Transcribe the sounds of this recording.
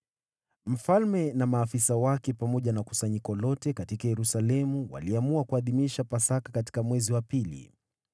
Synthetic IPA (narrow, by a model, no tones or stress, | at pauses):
m̩falmɛnamaːfisawakɛpamɔʄanaku̥saɲikɔlɔtɛkatikajɛɾusalɛmuwa̰liamuakuaðimiʃapasakakati̥kamwɛziwapilḭ